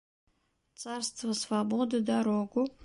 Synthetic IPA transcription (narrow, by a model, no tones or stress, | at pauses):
t͡sʰarst̪ʰvasvabod̪ad̪aɾoɡu